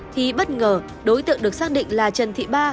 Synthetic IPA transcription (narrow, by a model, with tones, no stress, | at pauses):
t̪ʰi˨˩ɓə˦˥t̚ŋəː˨˩ | ɗo˨˦jt̪ɨ̰˧˨əŋɗɨ˨˩ək̚saː˦˥k̚ɗḭ˧˨ŋ̟laː˨˩t͡ɕə˨˩nt̪ʰḭ˧˨ɓaː˧